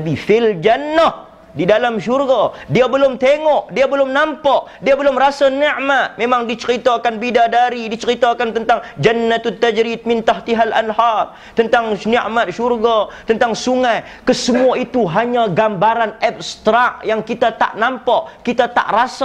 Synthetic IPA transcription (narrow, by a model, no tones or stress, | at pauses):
bifɪld͡ʒanːəh | didalamʃurɡadiabəlʊmt̪eŋɔʔdiabəlʊmnampaʔdiabəlʊmrasanəʔmat̪̚memaŋdit͡ʃəɾit̪aːkanbidadaɾidit͡ʃəɾit̪akant̪ənt̪aŋd͡ʒanːat̪t̪ːad͡ʒɾit̪̚mɪnt̪aht̪iɦala̰nhar | t̪ənt̪aŋniʔmat̪̚ʃurɡat̪ənt̪aŋsuŋaj | kəsəmuait̪uɦaɲaɡambaɾanɛp̚st̪ɾaʔjaŋkit̪at̪a̰ʔnampaʔkit̪at̪a̰ʔrasa